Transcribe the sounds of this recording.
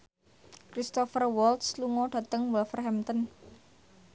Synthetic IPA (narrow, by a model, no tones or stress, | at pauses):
kɾist̪ɔfərwɔlt̪sluŋɔɖ̥ä̤t̪əŋwɛlfərɦɛmt̪ən